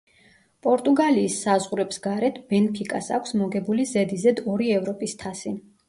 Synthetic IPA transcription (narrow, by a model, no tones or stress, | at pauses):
pʼɔɾt̪ʼuɡaliːsːazʁuɾɛbsɡaɾɛt̪ʰb̥ɛnpʰikʼa̰sa̰kʷʰsmɔɡɛbulizɛd̪izɛd̪ɔɾiɛvɾɔpʼist̪ʰasin